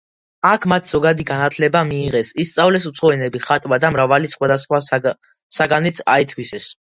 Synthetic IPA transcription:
akʰmat̪ʰz̥ɔɡad̪iɡanat̪ʰlɛbamiːʁɛsist̪sʼavlɛs̬ut̪sʰɔɛnɛbiχat̪ʼwad̪amɾavalisχwad̪asχwa | saɡanit̪sʰa̰it̪ʰwisɛs

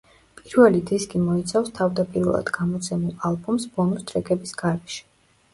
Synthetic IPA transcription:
pʼiɾvɛlid̪iskʼimɔit̪sʰafst̪ʰavd̪apʼiɾvɛ̰lˠa̰d̪ɡamɔt̪sʰɛmulˠalˠbɔmsbɔnust̪ʼɾɛkʼɛbisɡaɾɛʃi̥

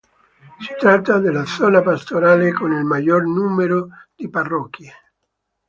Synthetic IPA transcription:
si̥t̪ɾat̪ːad̪elːad̪zɔːnapast̪oɾaːlekonilmaʎːornuːmeɾod̪̥iparːɔkːje

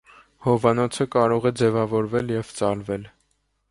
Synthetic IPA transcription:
hɔvɑnɔt͡sʰəkɑɾɔʁɛd͡zɛvɑvɔɾvɛljɛvt͡sɑlvɛl

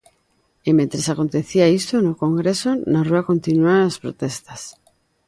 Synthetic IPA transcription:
emẽnt̪ɾesakont̪eθiaist̪onokoŋɡɾesonaruakont̪inuanaspɾo̰t̪est̪as

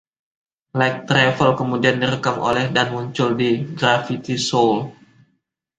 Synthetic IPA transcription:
lak̚t̪ɾɛfəlkəmudiandiɾəkamo̰lɛhdanmuɲt͡ʃʊldiɡɾafit̪isol

